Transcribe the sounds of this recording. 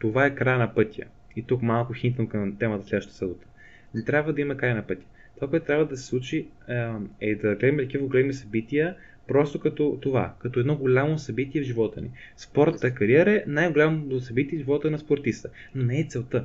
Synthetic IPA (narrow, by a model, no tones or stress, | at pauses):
t̪ovaɛkɾajnɐpɤt̪ʲijə̰ | it̪ukmalˠkʊxint̪nokəmt̪ɛmɐt̪əslɛd̪vəʃt̪t̪əsəbot̪ə̥ | nɛt̪ɾʲabvəd̪ɐimɐkɾajnɐpɤt̪ʲjə̥ | t̪ovakoɛt̪ʊt̪ɾavəd̪ɐsɛ̥sˠut͡ʃi | ɛd̪ɐɡlɛd̪əmiɛt̪ɐkivəɡolɛmisɐbit̪ijə | pɾɔst̪okɐt̪ɔt̪ova̰kɐt̪ɔɛd̪nɔɡolʲamosɐbit̪iɛvʒivɔt̪ə̰nḭ | spɔɾt̪ət̪əkɐɾiɛɾəɛnajɡolʲamoosɐbit̪iɛʒivɔt̪ənɐspoɾt̪ist̪ə | nonɛɛt̪sɛlˠt̪ə